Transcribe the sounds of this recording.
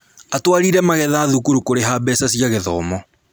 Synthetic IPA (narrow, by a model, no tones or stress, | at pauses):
atwaɾiɾɛmaɣɛðaːðukuɾukoɾeɦabɛsasjaɣeðɔːmɔ